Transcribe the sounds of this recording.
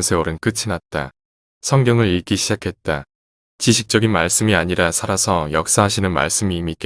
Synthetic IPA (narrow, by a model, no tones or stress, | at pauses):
nsʰe̞oɾɯnk͈ɯt͡ɕʰinat̚t͈a̰ | sʰʌŋɡjʌŋɯɾiɭk͈iɕʰid͡ʑakʰe̞t̚t͈a | t͡ɕiɕʰik̚t͡ɕ͈ʌɡinmaɭs͈ɯmiaɲiɾasʰaɾasʰʌjʌk̚s͈aɦaɕʰinɯnma̰ɭs͈ɯmiːmik͈e